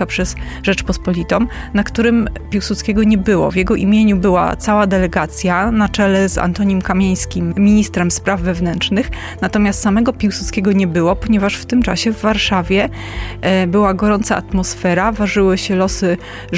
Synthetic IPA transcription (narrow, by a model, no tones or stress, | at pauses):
apʂɛz | ʐɛt͡ʂpɔspɔlʲit̪ɔm | nakt̪uɾɘmpʲiwsut̪skʲeɡɔɲɛbɘwɔ̰vjɛɡɔʔimʲjeɲubɘwa̰t̪sawad̪ɛlɛɡat̪sʲjanat͡ʂɛlɛza̰nt̪ɔɲimkamʲjej̃skʲimmʲiɲist̪ɾɛmspɾavːɛvnɛnt͡ʂnɘx | nat̪ɔmʲast̪samɛɡɔpʲiwsut̪skʲeɡɔɲɛbɘwɔpɔɲɛvaʂft̪ɘmt͡ʂa̰ɕɛvːaɾʂavʲjɛ | bɘwaɡɔɾɔnt̪sa̰ʔa̰t̪mɔsfɛɾavaʐɘwɘɕɛlɔsɘ